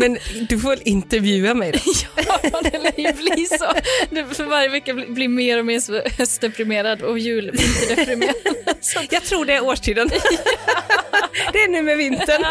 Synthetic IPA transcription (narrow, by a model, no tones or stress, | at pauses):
mɛnd̪ɵfoːvɛlɪnt̪əɾvjʉ̟ːamɛjdjːd̪ɪlːbliːsɔd̪ɛfœɾvaɾjəvɛkːablɪmeːɾɔmeːʂɔhɛst̪d̪ɛpɾɪmeːɾad̪ɔjʉ̟ːlmɪnt̪əɖ̪ɛpɾɪmeːɾad̪asɔjɑːɡt̪ʰɾuːɖɛːɾoːʂʈʰiːd̪ən | d̪ɛːɳʉ̟ːmɛvɪnt̪əɳ